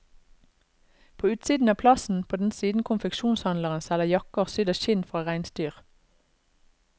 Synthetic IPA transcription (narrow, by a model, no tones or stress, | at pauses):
pʰoːʉːt̪siːd̪n̩ɑːpʰlɑsn̩pʰoːd̪n̩siːd̪n̩kʰʊnfɛkʃuːnshɑnləʁənsɛləjɑkəʁsʏd̪əʃɪnfʁɑːʁæɪnst̪yːʁ